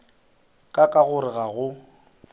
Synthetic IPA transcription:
kʼakʼaɣʊɾɪɣaɣʊ

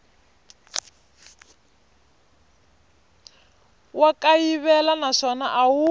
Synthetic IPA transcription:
wakajiβɛlanaʂɔnaʔawu

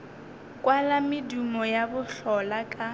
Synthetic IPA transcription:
kʼwalamɪdumɔjabʊɬɔlakʼa

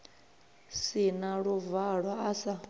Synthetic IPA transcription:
sinaɺuvaɺwaasa

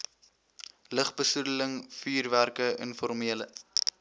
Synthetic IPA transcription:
ləχbəsudələŋfyːrværkəʔə̰nfɔrmiələ̰

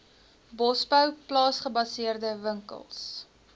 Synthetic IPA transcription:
bɔsbəwplɑːsχəbɐsiərdəvəŋkə̰lˠs

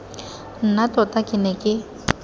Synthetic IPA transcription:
n̩nat̪ʼɔt̪ʼakʼɪnɛkʼɪ

